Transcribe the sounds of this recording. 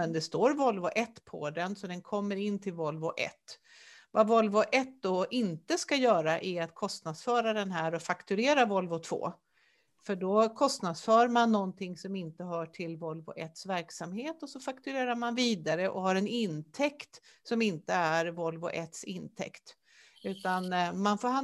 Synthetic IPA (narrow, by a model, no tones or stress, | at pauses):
ɛnd̪ɛst̪oːɾvɔlvʊʔɛt̪ːpʰɔ̰d̪ɛnsɔd̪ɛnkʰɔmːəɾɪnːt̪ʰɪlvɔlvʊʔɛ̰t̪ː | vavɔlvoʔɛt̪̚d̪ɔʔɪnt̪əskajœːɾaʔæɾat̪̚kʰɔst̪nad̪sfœːɾad̪ɛnɦæːɾɔfakt̪ɵɾeːɾavɔlvʊt̪ʰv̥o̰ː | fœɖɔkʰɔst̪nad̪sfœːɾmanːɔnt̪ʰɪŋsɔmɪnt̪əɦœːʈʰɪlvɔlːvʊ̰ʔɛt̪svæɾksamheːt̪ɔsɔfakt̪ɵɾeːɾaɾmanviːd̪aɾəʔɔhaɾɛnɪnt̪ʰɛkt̪sɔmɪnt̪əæɾvɔlvʊ̰ʔɛt̪sɪnt̪ʰɛ̰kt̪ | ʉ̟ːt̪anmanfoːɾha